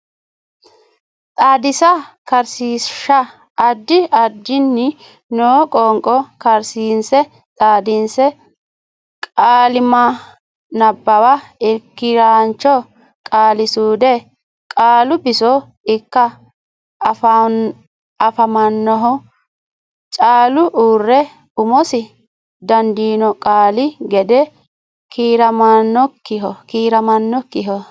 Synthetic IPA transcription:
t̪ʼaːd̪ɪsɐkɐɾsiːʃɐ | ɐd̪ːɪɐd̪ːɪnːɪ | noːkʼɔŋkʼːɔkɐɾsiːnsɛ | t̪ʼaːd̪ɪnsɛ | kʼaːlɪmɐ | nɐbːɐwɐɪkːɪɾaːnt͡ʃːɔ | kʼaːlɪsuːd̪ɛ | kʼaːlʊbɪsɔ | ɪkːɐ | f | ɐfɐmɐnːɔɦɔ | t͡ʃʼaːlʊʔuːrːɛ | ʊmɔsɪ | d̪ɐnd̪iːnɔkʼaːlɪɡɛd̪ɛ | kʰiːɾɐmɐnːɔkːɪɦɔkiːɾɐmɐnːɔkːɪɦɔ

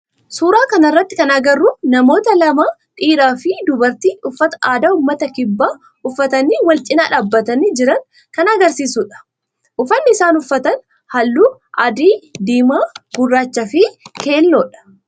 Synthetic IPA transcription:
suːɾaːkɐnɐrːɐt̪ːɪ̥kɐnɐɡɐrːuːnɐmo̞ːt̪ɐlɐmaːᶑʼiːɾaːfɪd̪ʊbɐɾt̪iːʊfːɐt̪ɐ̥ʔaːd̪aːʊmːɐt̪ɐkɪbːaː | ʊfːɐt̪ɐniːwɐlt͡ʃʼɪnaːᶑaːbːɐt̪ɐnid͡ʒɪɾɐn | kɐnɐɡɐɾsiːsuːᶑɐ̥ | ʔʊfɐnːɪːsaːnʊfːɐt̪ɐn | hɐlːuːʔɐd̪iːd̪iːmaːɡ̥ʊrːaːt͡ʃːɐfɪke̞ːlːoːᶑɐ̥

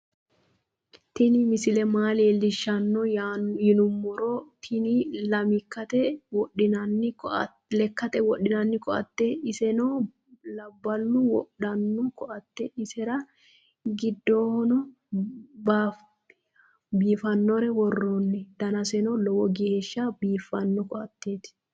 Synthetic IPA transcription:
t̪ɪnɪmɪsɪlɛmaːleːlːɪʃːɐnːɔajɪnʊmːʊɾɔt̪ʰɪnɪlɐmɪkːɐt̪ɛwɔɗɪnɐnːɪk | lɛkːɐt̪ɛwɔɗːɪnɐnːɪkɔʔɐ̰t̪ːɛɪsɛnɔ | lɐbːɐlːʊwɔɗɐnːɔkɔʔɐt̪ːɛɪsɛɾɐ | ɡɪd̪ːoːhɔnɔ | baːf | biːfɐnːɔɾɛwɔrːoːnːɛd̪̥ɐnɐsɛnɔlɔwɔɡeʃːɐbiːfːɐnːɔkɔʔɐt̪ːeːt̪

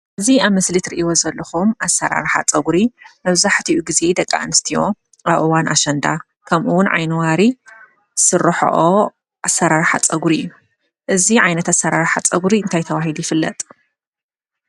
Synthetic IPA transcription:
ʔɨziaβmɐslit̪ɾiʔiwo̞zɐlːɐxumʔasɐɾa̰ɾħa̰t͡sʼɐɡuɾimɐβzaħt̪ʰiʔuɡize̞d̪ɐkʼːa̰ʔnɨst̪ʰijo̞ | ʔaβʔɨwanʔa̰ʃɐnd̪a | kʰɐmʔuwʊnʕa̰jnwaɾi | sɨrːɐħo̰ʔo | ʔasɐɾaɾħa̰t͡sʼɐɡuɾijːu | ʔɨziʕajnɐt̪asːɐɾaɾħat͡sʼɐɡɾiɨnt̪ʰajt̪ʰɐβahilujɪfɨlːɐ̰t̪ʼ

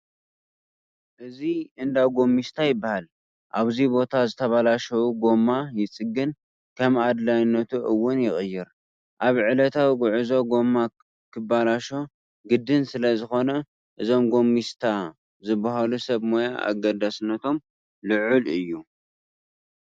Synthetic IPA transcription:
ʔɨziʔɨnd̪awɡo̞mːist̪ʰajɪbːahal | ʔaβzibo̞t̪ʰazɨt̪ʰɐβalaʃɐwuɡo̞mːajɪt͡sʼɨɡɨn | kʰɐmad̪lajnːɐt̪ʰuʔɨwːʊnjɪxʼɨjːɪɾ | ʔaβʕɨlɐt̪ʰawiɡʊʕɨzo̞ɡo̞mːa | kʰɨbalaʃo̞ | ɡɨd̪ːɨnsɨlɐzɨxo̞nɐ | ʔɨzo̞mɡo̞mːist̪ʰa | zɨbːahalusɐβmo̞jaʔa̰ɡɐd̪asnːɐt̪ʰo̞m | lɨʕulɨjːu

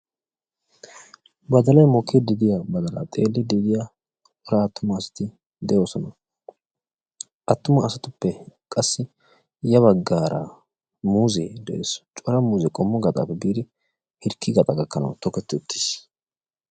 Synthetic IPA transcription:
bɐd̪ɐlɐjmɔkʰːɪd̪ɪd̪ɪjabɐd̪ɐla̰t̪ʼeːlːɪd̪ɪd̪ɪja | ɔɾɐːt̪ːʊmɐːsɐ̥t̪ɪ | d̪ɛjo̞ːsɔnɐ | ʔɐt̪ːʊmɐːsɐt̪ʊpːɛkʼɐsːɪ | jɐβɐɡːaːɾʔɐ̰ | muːzɛd̪ɛ̰ʔḛːst͡ʃʼɔɾɐmuːzɛkʼɔmːɔɡɐt̪ʼa̰ːpːɛbiːd̪ɪ | hɪɾkʰːɪɡɐt̪ʼɐɡɐkːɐnɐ̰wt̪ɔkɛt̪ːɪʊt̪ːɪ̥s

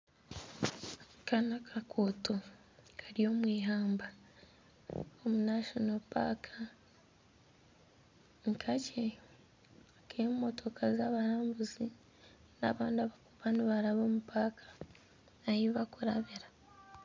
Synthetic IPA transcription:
kanakʰakʰo̞to | kʰaɾio̞ːmwiːɦaːmba | omunaʃonopa̰ːkʰa | ŋkʰace | akeomumo̞tʰo̞kʰazaβaɾaːmbuzi | na̰ːβaːndiaβakuβaniβaɾaβo̞ːmupakʰḁ | ajiβakuɾaβiɾa

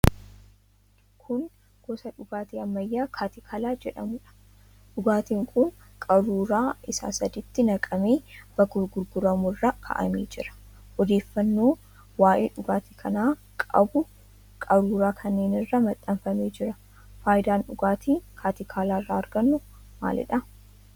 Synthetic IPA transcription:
kʰʊn | ɡ̥ɔsɐᶑʊɡaːt̪iːɐmːɐjːaːkʰaːt̪ɪkʰaːlaːd͡ʒɛᶑɐmʊᶑɐ̥ | ᶑʊɡaːt̪iːŋkʰʊn | kʼɐɾuːɾaːʔɪsa̰ːsɐd̪ɪt̪ːɪnɐkʼɐmeːb̥ɐɡʊɾɡʊɾɡʊɾɐmʊrːɐkʰɐ̰ʔɐ̰meːd͡ʒɪɾɐ̥ | ʔɔd̪eːfːɐnːo̞ː | waːjʔḛːᶑʊɡaːt̪iːkʰɐnaː | kʼɐ̰bʊ | kʼɐɾuːɾaːkʰɐnːeːnɪrːɐmɐt̪ʼːɐmfɐmeːd͡ʒɪɾɐ | faːjɪd̪aːnᶑʊɡaːt̪ʰiːkʰaːt̪ɪkʰaːlaːɪrːaːɾɡɐnːʊ | ma̰ːlɪ̰ᶑɐ

